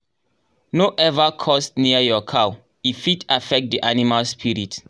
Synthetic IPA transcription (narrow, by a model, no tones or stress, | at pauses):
noʔɛvakʰɔsniajɔkʰaw | ifitafɛk̚t̚diʔanimalspʰiɹit